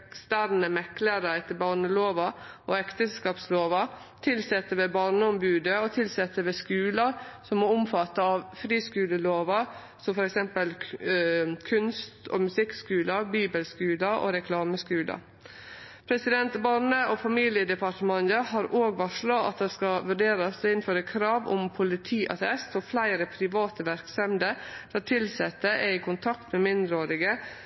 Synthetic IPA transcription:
kst̪æɾnəmɛkləɾəɛt̪ːəbɑɳəloːʋɑʔoɛkt̪əsɛlskɑːpsloːʋɑ | t̪ʰɪlsɛt̪ːəʋeːbɑɾɳəɔmbʉːd̪əɔt̪ʰɪlsɛt̪ːəʋeːskʉːləsɔmmɔʊmfɑt̪ːəɑʋfɾiːskʉːləloːʋɑ | sɔmfɔɾɛksɛmpəl | kʰʉnst̪ʰɔ̰mʉsɪkskʉːləbiːbəlskʉːləʔo̰ɾɛkʰlɑːməskʉːlɑ̰ | pʰɾɛsɪd̪ɛnt̪bɑɾɳəʔofɑmiːlɪəd̪ɛpʰɑʈəmɑnd̪əɦɑːɾoːɡʋɑʂɭɑɑ̰t̪̚d̪ɛskɑʋʉɖeːɾɑsɔɪnføːɾəkʰɾɑːʋʊ̰mpʰʊlɪt̪ʰiːʔɑ̰t̪ɛst̪ɔflæɪɾəpʰɾɪʋɑːt̪əʋæɾksɛmd̪əd̪̥ɑt̪ʰɪlsɛt̪ːəʔɛɪkʰʊnt̪ʰɑkt̪mɛmɪnd̪ɾəoːɾɪɡə

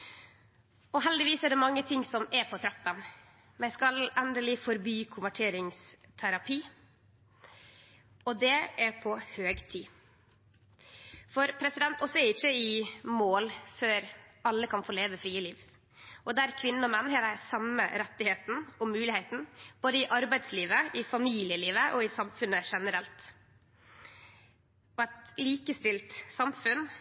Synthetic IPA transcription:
ɔɦɛld̪ɪʋiːsɛɖ̪ɛmɑŋːət̪ʰɪŋsɔmɛɾpʰɔt̪ʰɾɑpːən | mæɪskɑlɛnd̪əlɪfɔɾbyːkʰʊnʋæʈʰeːɾɪŋst̪ʰæɾɑpʰiː | ɔd̪ɛæɾpʰɔhøːɡt̪ʰiː | fɔɾpʰɾɛsɪd̪ɛnt̪ɔsːɔɛɾɪçːəɪmoːlføːɾɑlːəkʰɑnfoːɭeːʋəfɾiːəliːʋ | ʔɔd̪ɛæɾkʰʋɪnːənɔmɛnːhɛɾæɾsɑmə̰ɾɛt̪ːɪheːt̪n̩ɔmʉːlɪhæɪt̪n̩b̥oːd̪əɪʔɑɾbæɪd̪sliːʋəɪfɑmiːlɪəliːʋəʔɔɪsɑmfʉnːəʂɛnəɾɛlt̪ | ɔɛt̪liːkəst̪ɪlt̪sɑmfʉn

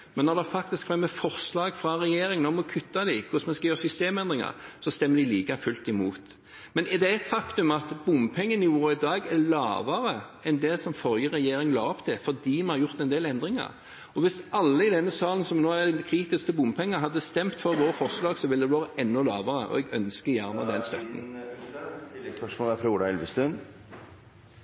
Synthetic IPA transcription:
mɛnːɔɾd̪ɛfɑkt̪ɪskʰʋɛmːɛfɔɾslɑːɡfɾɑɾɛjeːɾɪŋnɔmɔkʰʉt̪ːɑd̪ɪkʰʊsmɛnskɑjøːɾsʏst̪eːmɛnd̪ɾɪŋɑ̰ʁsɔst̪ɛmːəd̪ɪliːkɑfʉlt̪ɪmuːt̪ | mɛnɛd̪ɛɛt̪fɑkt̪ʉmɑt̪bʊmpʰɛŋːənɪuːɾɪd̪ɑːɡæɾlɑ̰ːʋɑɾəɛnd̪ɛsɔmfɔljəʁɛjeːɾɪŋlɑːɔpt̪ʰɪlfɔd̪iːmɛnhɑɾjʊɾt̪ɛnd̪eːlɛnd̪ɾɪŋɑ̰ɾ | ɔʋɪsɑlːəɪd̪ɛnːəsɑːlən̩sɔmnoːæd̪ɛnkʰɾiːt̪ɪskəbʊmpʰɛŋːəɦɑd̪ːəst̪ɛmt̪fɔɾʋoːɾəfɔʁslɑːɡsɔʋɪld̪ɛʋoːɾəʔɛnːɔlɑ̰ːʋɑʁəʔɔ̰ɛɡœnskəjæɾnəd̪ɛnst̪œt̪n̩ | ʂmɔləfʰɾuːɖ̪ɑɛlʋəst̪ʉn

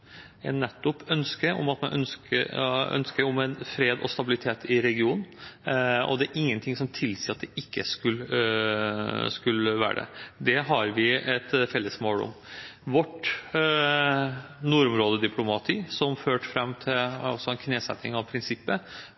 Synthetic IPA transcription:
ɛnːɛt̪ːʊpːœnskəɔ̰mɑt̪mɛnʔœ̰nskəœ̰nskəɾɔmɛnfɾeːd̪ɔ̰st̪ɑbɪlɪt̪ʰeːt̪ʰɪɾɛɡɪuːnn̩ | ɔ̰d̪ɛæɾʔɪŋːənt̪ʰɪŋsɔmt̪ʰɪlsiːɑt̪̚d̪ɛɪkːəskʉl | skʉlːəʋæ̰ːɖɛ̰d̪ɛɦɑɾʋɪɛt̪fɛlːəsmoːlɔ̰m | ʋɔʈ | nuːɾʊmɾoːd̪əd̪ɪpʰlʊmɑt̪ʰiːsɔmføːʈfɾɛmːt̪ʰɪlɑ̰sɔɛnkʰneːsɛ̰t̪nɪŋɑʋpʰɾɪnsɪpːə

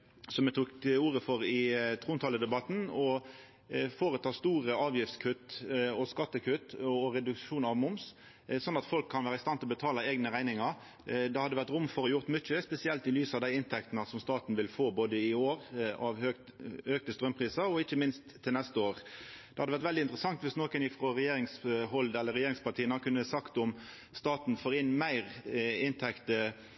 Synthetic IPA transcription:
sɔmɛt̪ʰuːkuːʁəfɔɾɪt̪ʰʁuːnt̪ʰɑːləd̪ɛbɑt̪n̩ɔ | foːɾət̪ʰɑːst̪uːʁəɑːʋjɪft̪skʰʉt̪ːɔskɑt̪ːəkʰʉt̪ːɔʁɛd̪ʉkʃuːnɑʋmʊms | sɔnːɑt̪fɔlkʰːɑnʋæːɾəɪst̪ɑnɪlɔbət̪ʰɑːləeːɡnəʁæɪnɪŋɑɾ | d̪ɛhɑd̪əʋæʁt̪ɾʊmfɔɾɔjʊʁt̪mʏt͡ʃːəspɛsɪɛlt̪ɪlyːsɑd̪æɪɪnt̪ʰɛkt̪nəsɔmst̪ɑːt̪n̩ʋɪlfoːboːd̪əɪoːɾɑʋø | øk̚t̪əst̪ɾœmpʰʁiːsəɔɪçːəmɪnst̪ʰːɪlnɛst̪əoːʁ | d̪ɛhɑd̪əʋæʁt̪ʋɛld̪ɪnt̪ɾəsɑŋt̪ʋɪsnoːkənɪfʁɔɾɛjeːɾɪŋshɔld̪ɛlːəɾɛjeːɾɪŋspɑʈ̪ʰiːənɑkʰʉnːəsɑkt̪ɔm | st̪ɑːt̪nfoːɾɪnːmæɪʁɪnt̪ʰɛkt̪ə

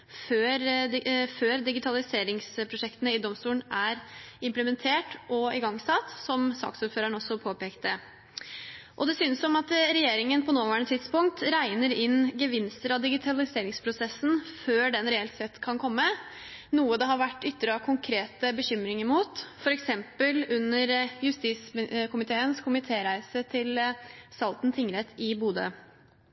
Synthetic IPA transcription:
føːɾɪføːɾd̪ɪɡɪt̪ʰɑlɪseːɾɪŋspʰɾʊʂɛkt̪ənəɪd̪ɔmst̪uːlənæɾɪmpləmɛnt̪ʰeːʈʔɔɪɡɑŋsɑt̪ːsɔmsɑ̰ːksuːɾføːɾənɔsːɔpʰoːpeːkt̪ə | ʔɔd̪ɛsyːnəsɔmɑt̪ɾɛjeːɾɪŋənpʰɔnoːʋæɳət̪ʰɪt̪spʊŋk̚t̪ɾæɪnəɾɪnɡəʋɪnst̪əɾɑd̪ɪɡɪt̪ʰɑlɪseːɾɪŋspʰɾʊsɛsːn̩føːɖɛnɾɛɛlt̪sɛt̪ːkʰɑnkʰɔmːə | nuːəd̪ɛɦɑɾʋæʈːʏt̪ːəɾəɑkʰʊŋkʰɾeːt̪əbəçʏmɾɪŋəɾmuːt̪fɔɾɛksɛmpəlʉnːəɾjʉst̪iːsmkʰʊmɪt̪ʰeːənskʰʊmɪt̪ʰeːɾæɪsət̪ʰɪlsɑlt̪n̩t̪ʰɪŋɾɛt̪ʰːɪbuːd̪ə̰

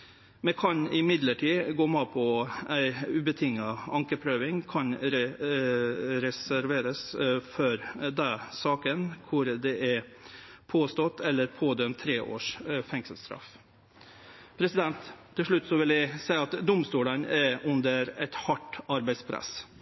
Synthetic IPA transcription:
mɛkʰɑnɪmɪd̪ləʈʰiːɡoːmɑːpʰɔæɪʉbət̪ʰɪŋːɑɑŋkəpʰɾøːʋɪŋkʰɑnɾɛ | ɾɛsæɾʋeːɾəsfɔɾd̪ɛsɑːkənkʰʊɾd̪ɛʔæɾpʰoːst̪ɔt̪ːɛlːəɾpʰoːd̪œmt̪ʰːɾeːʔo̰ːʂfɛŋsəlst̪ɾɑ̰f | pʰɾɛsɪd̪ɛnt̪ʰː | ɪlʂɭʉt̪ːsɔʋɪljæɪsæɪɑt̪d̪ʊmst̪uːlənæʉnd̪əɾɛt̪hɑʈɑɾbæɪspʰɾæ̰s

